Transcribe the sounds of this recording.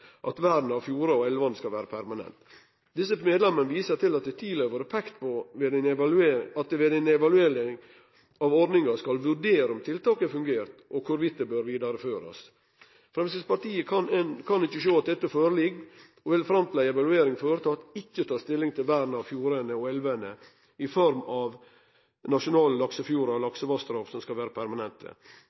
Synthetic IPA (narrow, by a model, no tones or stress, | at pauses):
ʔɑt̪ʋæːɖn̩ɑʋfjuːɾɑɔɛlʋɑnskɑlʋæːɾəpʰæɾmɑnɛ̰nt̪ | d̪ɪs̬əmeːd̪lɛmːənəʋiːsət̪ɪlɑt̪̚d̪ɛt̪ʰiːlɛʋɔɾəpʰɛkt̪pʰɔʋed̪ɛɪnɛʋɑlʉeːɑt̪ʋɛd̪ɛɪnɛʋɑlʉeːɾɪŋ | ɑʋɔɾɖ̪nɪŋɑskɑlʋʉɾɖeːɾəɔmt̪ʰɪlt̪ʰɑːkəfʉŋɡeːɾt̪ʔɔkʰʊɾʋɪt̪ːəbøɾʋiːd̪ɑɾəføːɾɑ̰s | fɾɛmsəspɑʈiːəkʰɑnkʰɑnɪçːəʂoːɑt̪̚d̪ɛt̪ːəfoːɾəlɪɡ | ɔʋɪlfɾɑmt̪ʰlæɪɛʋɑlʉeːɾɪŋfoːɾət̪ʰɑt̪ɪkːət̪ʰɑːst̪ɪlːɪŋt̪ʰɪlʋæːdn̩ɑʋfjuːɾənəɔɛlʋənə | ɪfɔɾmɑʋ | nɑʂʊnɑːləlɑksəfjuːɾɑlɑksəʋɑst̪ɾɑfsɔmskɑlʋeːɾəpʰæɾmɑnɛnt̪ʰə̰